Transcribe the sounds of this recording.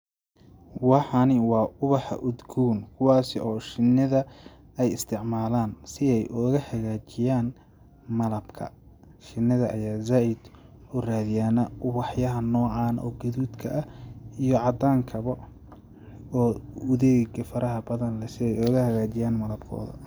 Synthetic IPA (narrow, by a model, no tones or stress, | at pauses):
wɑħɑnɪwɑːʔʊβɑħɑ̰ʔʊd̪ɡʰuːnkʰʊwɑːsɪʔɔːʃɪnːɪðɐ | ɛjɪst̪ʰɪʕmaːlaːnsɪɛjʔɔɣɐhɐɣaːt͡ʃɪjaːn | mɐlɐbkʰɐ̰ | ʃɪnːɪðɐʔɐ̰jaːzaːʔɪd̪ʊraːðɪjaːnɐʔʊβɑħjɐɦɐnɔːʕɑːnʔɔ̰ːɡɐðuːd̪kʰɐʔɐijɞʕɑd̪aːŋkʰɐβɐ | ɔːʊðɛːɡɐfɐɾʔɐɦɐbɐðɐnlɛsɪɛjɔːɣɐhɐɣaːt͡ʃɪjaːnmɐlɐb̚kʰɔ̰ːðɐ̰